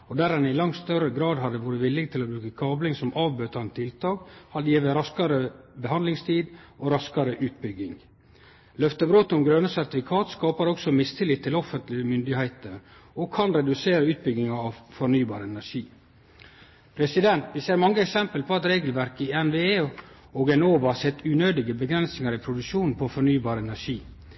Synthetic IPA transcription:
ɔd̪æɾɛnɪlɑŋt̪st̪œɾəɡɾɑːd̪hɑd̪ːəʋuːɾəʋɪlːɪɡt̪ʰɪlɔbɾʉːkəkʰɑːblɪŋsɔmʔɑːʋbøːt̪ɑnət̪ʰɪlt̪ʰɑːkhɑljiːʋəɾɑskɑɾəbəhɑnlɪŋst̪ʰiːd̪ʔɔɾɑskɑɾəʔʉːt̪̚bʏɡːɪŋ | lœft̪əbɾoːt̪ʊmɡɾœnəsæɾt̪ɪfɪkʰɑːt̪skɑːpɑɾɔksɔmɪst̪ʰɪlɪt̪ʰːɪlɔfənt̪lɪəmʏnd̪ɪhæɪt̪əɾɔkʰɑnɾɛd̪ʉseːɾəʉːt̪̚bʏɡɪŋɑɑʋfɔɾnyːbɑːɾəɛnæʂiː | pʰɾɛsɪd̪ɛnt̪ʋɪseːɾmɑŋːəɛksɛmpəlpʰɔɑt̪ɾeːɡəlʋæɾkɪɛnʋeː | oɡɛnoːʋɑɑsɛt̪ːʉːnøːd̪ɪɡəbəɡɾɛnsnɪŋɑɾɪpʰɾʊd̪ʉʂuːnn̩pʰɔfɔɾnyːbɑːɾəɛnæʂiː

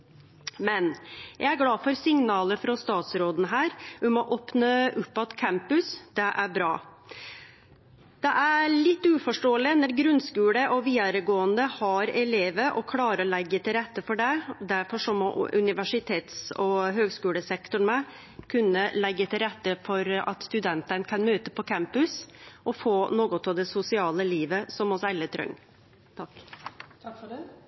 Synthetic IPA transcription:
mɛnjæɪæɾɡlɑːfɔɾsɪŋnɑːləfɾɔst̪ɑːt̪sɾoːd̪nəɦæːɾʋɪmɔʔoːpnəʉpːɑt̪kʰæmpʉsd̪̥ɛʔæɾbɾɑ̰ː | d̪̥ɛʔæɭɪt̪ːʉːfɔʂʈoːəlɪnɔɾɡɾʉnskʉːləʔɔʋiːəɾəɡoːənd̪əhɑɾɛleːʋəʔɔkʰlɑːɾəɔlɛɡːət̪ɪlɾɛt̪ːəfɔɖɛd̪æɾfɔʂɔmɔʔʉ̰nɪʋæʂɪt̪ʰeːt̪sɔɦøːɡskʉːləsɛkt̪ʊɳmɛ | kʰʉnːəlɛɡːət̪ʰɪlɾɛt̪ːəfɔɾɑ̰t̪st̪ʉd̪ɛnt̪ənkʰɑnmøːt̪əpɔkʰæmpʉsʔɔfoːnoːɡɔt̪ɑʋd̪ɛsʊsɪɑːləliːʋəsɔmɔsɛlːət̪ʰɾœ̰ŋ | t̪ʰk̪

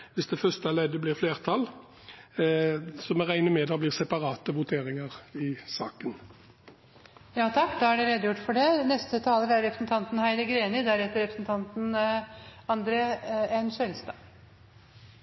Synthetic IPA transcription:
ʋɪsd̪ɛfœst̪əæleːd̪əblɪʁfleːʁt̪ʰɑl | sɔmɛʁæɪnəmɛd̪ɑblɪːʁsɛpɑʁɑːt̪əʋʊt̪ʰeːʁɪŋəʁɪsɑːkən | jɑːt̪ʰɑkːd̪ɑhɑɖɛɾeːd̪əjʊʈːfɔɖɛnɛst̪ət̪ʰɑːləɾæɾɾɛpɾəsnt̪ʰɑnt̪n̩hæɪləɡɾeːnɪd̪æɾheːt̪əɾɛpɾəsn̩t̪ʰɑnt̪n | ɑnd̪ɾeːɛnsɛlst̪ɑː

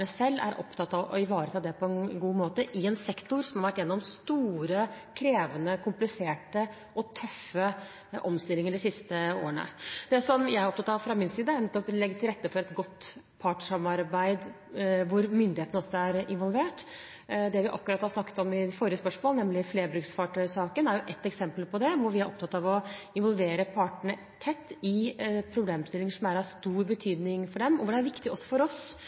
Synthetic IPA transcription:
əsɛlːæ̰ɾʔɔ̰pt̪ʰɑt̪ːɑ̰ɪʋɑːɾət̪ʰɑːd̪ɛpʰɔɛnɡuːmoːt̪əʔɪɛnsɛkt̪ʊɾsɔmhɑɾʋæʈːjɛnːɔmst̪uːɾə | kʰɾeːʋənəkʰʊmplɪseːʈə | ʔɔt̪ʰœfə | ʔɔmst̪ɪlːɪŋəɖɪsɪst̪əo̰ːəɳə̰d̪̥ɛsɔmjæɪɾɔpt̪ɑt̪ːɑʋfɾɑmɪnsiːd̪əæɾnɛt̪ːɔplɛɡːət̪ʰɪlɾɛt̪ːəfɔɾɛt̪ɡɔt̪ː | pʰɑʈəʂɑmɑɾbæɪd̪ | ʋʊɾmʏnd̪ɪheːt̪ənəɔsːɔæɾɪ̰nʋɔlʋeːʈ | d̪ɛʋɪʔɑ̰kːʉɾɑt̪hɑsnɑkːə̥t̪ɔmɪfoːɾɪəspœʂmoːlənɛmlɪfleːɾbɾʉksfɑʈʰœʏsɑːkənæɾjʊʔɛt̪ːɛksɛmpəlpʰɔd̪ɛʋʊɾʋɪæɾʔɔ̰pt̪ʰɑt̪ːɑʋɔɪnʋɔlʋeːɾəpʰɑːʈəɳə | t̪ʰɛt̪ːɪpʰɾʊbleːmst̪ɪlɪŋəʂɔmæɾɑst̪uːɾbət̪ʰyːd̪nɪŋfɔɖɛmɔʋʊɖɛæɾʋɪkt̪ɪɔsːɔ̥fɔɾɔs

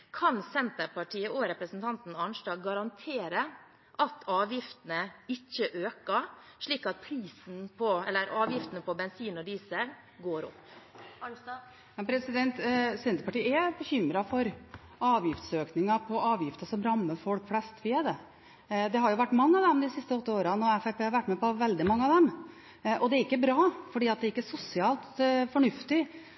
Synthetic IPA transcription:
kʰɑnsɛnt̪əɾpɑʈʰiːəʔɔɾɛpɾəsn̩t̪ʰɑnt̪n̩ɑnʂʈɑːɡɡɑɾɑnt̪ʰeːɾə | ʔɑt̪ʰɑːʋjɪft̪ənəɪçːəʔøːkəʂɭiːkɑt̪̚pʰɾiːsn̩pʰɔɛlːəɾʔɑːʋjɪft̪ənəpɔbɛnsiːnɔd̪iːsə | ɡoːɾɔ̰pː | mɛnpʰɾɛsɪd̪ɛnt̪sɛnd̪əpɑʈiːæbəçʏmːɾɑfɔɾ | ɑːʋjɪft̪søːknɪŋɑpʰɔɑːʋjɪft̪əsɔmɾɑmːəfɔlkflɛst̪ʋɪɛd̪ɛ | d̪ɛɦɑɾjʊʋæʈːmɑŋːəɑʋd̪ɛmd̪ɪsɪst̪əɔt̪ːəoːɾɑnɔɾæfɛpʰeːhɑɾʋæʈːmɛpɔʋɛld̪ɪmɑŋːəɑʋd̪ɛm | ʔɔd̪ɛæɾɪkːəbɾɑːfɔɖiːɑt̪̚d̪ɛɾɪkːəæʂʊsɪɑːlt̪fɔɳʉft̪ɪ

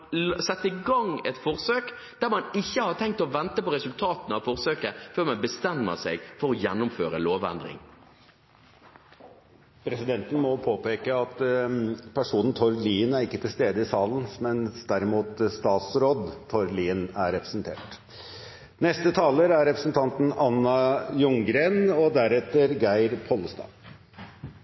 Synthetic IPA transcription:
sɛt̪ːəɪɡɑŋɛt̪fɔʁsøːk | d̪̥æʁmɑnɪçːəhɑt̪ʰɛŋkt̪ɔʋɛnt̪əpɔʁɛsʉlt̪ʰɑːt̪nɑʋfɔʁsøːkəføːɾmɛnbəst̪ɛmːə̰sɛ̰ɡfɔɾɔjɛnːʊmføːɾə̰loːʋɛ̰nd̪ɾɪ̰ŋ | pʰɾɛsɪd̪ɛnt̪ən̩mɔpʰoːpeːkəɑt̪ | pʰæʂuːnn̩t̪ʰɔɾliːənæɾɪkːət̪ʰɪlst̪eːd̪əɪsɑːln̩mɛnd̪æɾɪmuːt̪st̪ɑːt̪sɾoːd̪t̪ʰɔɾliːənæɾɛpɾəsənt̪ʰḛːʈ | nɛst̪ət̪ʰɑːləɾæɾːɛpɾəsn̩t̪ʰɑnt̪n̩ɑnːɑjʊŋɡɾeːnɔd̪æɾɛt̪ːəɾɡæɪɾpʰɔlːəst̪ɑ̰ː

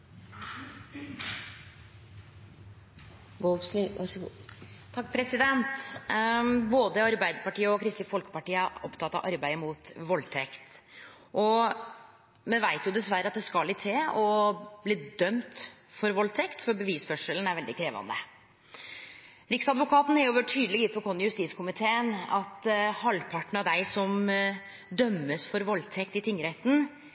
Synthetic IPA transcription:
boɡslyɑʂ | t̪ʰɑk̚ːpʰɾɛsɪd̪ɛnt̪ | boːd̪əɑɾbæɪd̪əɾpɑʈiːəɔkʰɾɪst̪əfɔlkə̥pɑʈiːəæɾɔpt̪ʰɑt̪ːɑ̰ʔɑɾbæɪmuːt̪ʋɔlt̪ʰɛkt̪ | ʔɔ | mɛnʋæɪt̪jʊd̪ɛsʋæɾəɑt̪̚d̪ɛskɑlːɪt̪ʰeːɔbliːd̪œmt̪fɔɾʋɔlt̪ʰɛkt̪fɔɾbəʋiːsfœʂələn̩æɾʋɛld̪ɪkʰɾeːʋɑ̰nd̪ə̰ | ɾɪksɑd̪ʋʊkʰɑːt̪n̩hɛɾjʊʋøːʈʈʰyːd̪lɪɡɪt̪fɔɾkʰɔnːjʉst̪iːskʰʊmɪt̪ʰeːənɑt̪hɑlːpʰɑʈɳ̩ɑʋd̪æɪsɔm | d̪œmːəsfɔɾʋɔlt̪ʰɛkt̪ɪt̪ʰɪŋːɾɛt̪n̩

